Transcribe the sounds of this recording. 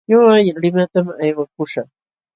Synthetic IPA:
ɲoajlɪmat̪amajwakʊʃaχ

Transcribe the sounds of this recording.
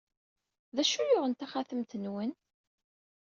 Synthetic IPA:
ðæʃujʊʁənt̪æχaθəmt̪ənwən

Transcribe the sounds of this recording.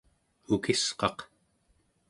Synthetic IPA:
ukisqɑq

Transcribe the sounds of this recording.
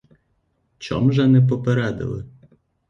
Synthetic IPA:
t͡ʃɔ̰mʒɛnɛp̬ɔpeɾɛd̪ɪ̰lˠɪ

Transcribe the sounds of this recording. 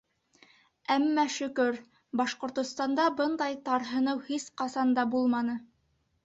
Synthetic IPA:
æmːæʃɵ̆kɵɾ | bɑʃqŏɾt̪ŏst̪ɑnd̪ɑbɤnd̪ɑjt̪ɑɾɦɤ̆nɤwhisqɑsɑnd̪ɑbulˠmɑnɤ

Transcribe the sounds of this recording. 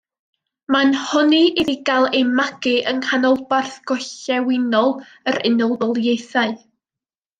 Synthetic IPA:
manhɔniʔiðiɡalˠemaɡ̥ɨʔənhanɔlˠbarθɡ̥ɔɬɛwɪnɔlˠ | əɾɪnɔlˠdɔlˠjejθaɨ

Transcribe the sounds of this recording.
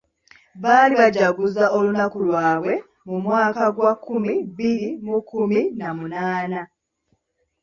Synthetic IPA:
βaːliβaɟaɡuzao̞lunakulwaːβwe̞ | mumwaːkaɡwakːumiβiɾimukːuminamunaːna

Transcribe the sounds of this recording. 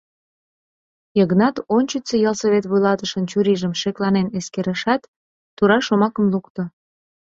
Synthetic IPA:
jəɣnɑt̪ont͡ɕət͡sejɑlsəβet̪βujlɑt̪əʃənt͡ɕuɾiʒəmʃeklɑneneskeɾəʃɑt̪ː | uɾɑʃomɑkəmlukt̪ŏ

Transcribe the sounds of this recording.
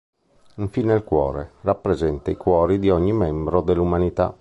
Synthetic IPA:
iɱfinelkwɔ̰ːɾerapːɾezɛnt̪aikwɔːɾid̪iɔɲːimɛmbɾod̪elːumanit̪a̰

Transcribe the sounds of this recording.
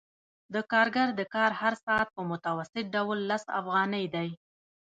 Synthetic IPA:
d̪əkɑɾɡaɾd̪əkɑɾhaɾsɑat̪̚pəmʊt̪awasɪt̪̚ɖawlːasa̰fɣɑnəjd̪aj

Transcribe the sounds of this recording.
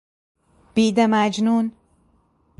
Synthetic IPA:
b̥id̪æmæd͡ʒnun

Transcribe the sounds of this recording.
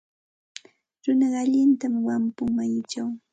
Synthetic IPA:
ɾʊnɑɢaʎɪnt̪amwampʊŋmaɲʊt͡ʃaw

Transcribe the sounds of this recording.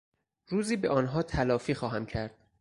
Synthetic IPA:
ɾuːziːbeʔɒːnɦɒːt̪ʰælɒːfiːxɒːɦæmcʰæɾd̪̥̚

